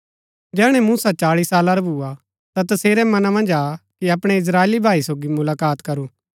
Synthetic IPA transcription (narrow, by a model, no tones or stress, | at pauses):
d͡ʒɛːɽ̃ɛ̃muːsat͡ʃaːɭisaːlaɾɐbʱua | t̪at̪ɐseːɾɛmɐnamɐ̃nd͡ʒaːkiɐpɽ̃ɛɪs̬ɾaːeːlibʱaːisoːɡimʊlaːkaːt̪kɐɾuː